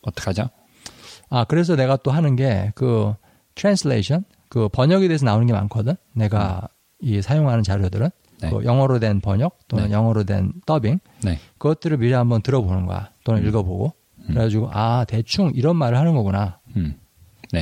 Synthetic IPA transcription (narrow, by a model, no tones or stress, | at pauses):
ʌt͈ʌ̥kʰad͡ʑo | akɯɾe̞sʰʌne̞ɡat͈oɦanɯnɡe̞kɯ | tʰɾansleɕʰʌn | kɯpʌɲʌɡedeːs̬ʰʌnaonɯnɡe̞ma̰nkʰʌdɯnːe̞ɡa̰ | isʰajoŋɦanɯnt͡ɕaɾjodɯɾɯn | neo̰jʌŋɦʌɾodwe̞npʌɲʌk̚t͈onɯnjʌŋɦʌɾodwe̞̰nt͈ʌbiŋ | nekɯɡʌt͈ɯɾɯɭmiɾeɦambʌntɯɾʌbonɯnɡoa̰jt͈onɯniɭɡʌbo̰ɡo | kɯɾeɡad͡ʑiɡoʔate̞t͡ɕʰuŋiɾʌnmaɾɯɭhanɯnɡʌɡuna | ne